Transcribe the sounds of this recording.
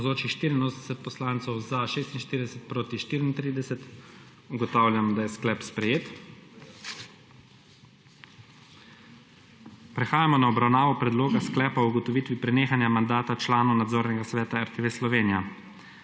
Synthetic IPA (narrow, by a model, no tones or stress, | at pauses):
zoːt͡ʃiʃt̪iːɾinoːsnd̪ɛsɛt̪̚pɔslaːnt̪sɔwzaʃeːst̪inʃt̪iːɾid̪ɛsɛt̪̚pɾoːt̪iʃt̪iːɾint̪ɾiːd̪ɛsɛt̪ | uɡɔt̪aːwlʲjamd̪ajɛsklɛpspɾɛjeːt̪ | pɾɛxaːjamɔnaɔbɾawnaːʋɔpɾɛd̪loːɡasklɛːpaɔuɡɔt̪ɔʋiːt̪ʋipɾɛneːxanjamand̪aːt̪at͡ʃlaːnɔwnad̪zoːɾnɛɡasʋɛːt̪aɛɾt̪eʋeslɔʋeːnija